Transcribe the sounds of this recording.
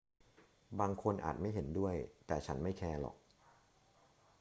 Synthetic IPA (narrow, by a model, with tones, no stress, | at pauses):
baː˧ŋkʰo˧nʔa̰ː˨˩t̪̚ma˥˩jɦe˩˦ndu˥˩əjt̪ɛː˨˩t͡ɕʰa˦˥nma˥˩jkʰɛː˧lɔ̰˨˩k̚